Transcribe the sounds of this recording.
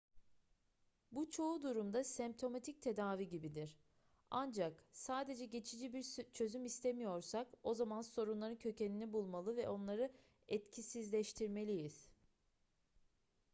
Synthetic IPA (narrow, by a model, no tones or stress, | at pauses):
but͡ʃʰo̞ud̪uɾumd̪asɛmp̚t̪ʰo̞mat̪ʰic̚t̪ʰe̞d̪aːviɟibid̪iɾ̥ | and͡ʒaksaːd̪e̞d͡ʒɛɟe̞t͡ʃʰid͡ʒibiɾt͡ʃʰø̞zymist̪ʰe̞mijo̞ɾsako̞zamanso̞ɾunlˠaɾɯncʰø̞ce̞ninibulˠmalˠɯvɛʔo̞nlˠaɾɯ | ɛt̪cʰisizlʲɛʃt̪ʰiɾme̞lʲijiz̥